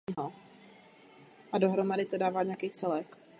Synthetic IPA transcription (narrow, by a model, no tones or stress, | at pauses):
ɦo | ʔado̞ɦɾo̞madɪt̪odaːvaːɲɛakejt͡sɛlɛk